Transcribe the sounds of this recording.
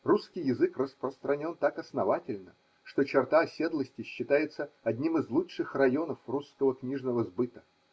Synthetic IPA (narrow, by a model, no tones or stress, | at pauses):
ruskʲɪjɪzɨkrəspɾəst̪ɾɐnʲo̞nt̪akɐsnɐvatʲɪlʲnə | ʂt̪o̞t͡ɕɪrt̪aɐsʲe̞d̪lˠəsʲtʲɪɕːɪt̪ajɪt̪səɐdʲnʲimɨzlˠutʂɨxrɐjo̞nəfruskəvəknʲiʐnəvəzbɨt̪ə̥